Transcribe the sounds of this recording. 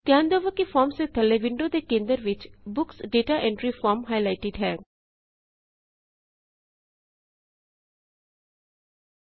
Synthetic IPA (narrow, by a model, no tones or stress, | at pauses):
t̪jãːnd̪oʋəkifɔːɾmset̪ʰɐleʋɪ̃ɳɖod̪ekẽːnd̪əɾʋɪt͡ʃbʊksɖeːʈaʔɛ̃ɳɖɾifɔːɾmɦaɪlaɪʈɪɖɦɛː